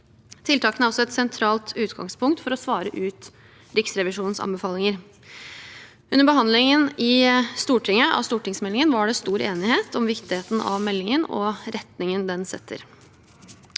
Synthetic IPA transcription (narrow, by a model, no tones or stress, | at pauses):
t̪ʰɪlt̪ʰɑːkənəɑlsɔɛt̪sɛnt̪ʰɾɑːlt̪ʰʉːt̪ɡɑ̰ŋspʰʊŋkt̪fɔɾɔsʋɑːɾəʔʉːt̪ | ɾɪksɾɛʋɪʂuːnn̩sɑ̰bəfɑːlɪŋəɾ | ʔʉnːəɾbəɦɑnd̪lɪŋənɪst̪uːʈʰɪŋəʔɑ̰st̪uːʈɪŋsmɛlːɪŋənʋɑɖɛst̪uːɾeːnɪheːt̪ʰɔmʋɪkt̪ɪheːt̪n̩ʔɑ̰ʋmɛlːɪŋənɔ̰ɾɛt̪nɪŋənd̪ɛnsɛ̰t̪ʰːə̰ɾ